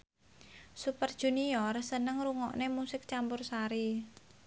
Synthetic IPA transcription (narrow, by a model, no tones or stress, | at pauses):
supərd̥ʒ̥ṳniɔrsənəŋɾuŋɔʔnemusɪk̚t͡ʃampʊrsaɾi